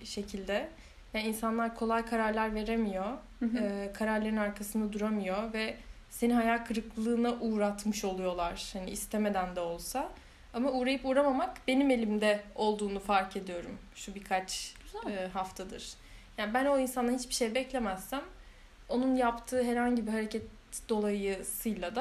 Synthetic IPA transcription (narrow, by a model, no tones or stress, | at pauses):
ʃe̞cʰilʲd̪ɛ | janinsanlˠaɾkʰo̞lˠajkʰaɾaɾlʲˠaɾve̞ɾe̞mijo̞ | ɯkʰaɾaɾlʲeɾinaɾkʰasɯnd̪ad̪uɾamijo̞vɛ | se̞ninɦajalkʰɯɾɯklˠɯːnaʔuːɾat̪mɯʃo̞lˠujo̞lˠaɾ̥hanḭist̪ʰeme̞d̪ænd̪ɛo̞lˠsa | amauːɾajɯpuːɾamamakbe̞nime̞lʲimd̪ɛo̞lˠd̪uːnufaɾcʰe̞d̪ijo̞ɾum | ʃubikʰat͡ʃː | ɦaft̪ʰad̪ɯ̰ɾ̥ | jaːnbæno̞insand̪ahit͡ʃbi̥ʃejɛbɛclʲemæzːæm | o̞nunjapt̪ʰɯːɦɛɾhaɲɟibiɦaɾe̞cʰɛt̪ | d̪o̞lˠajɯsɯjlˠad̪a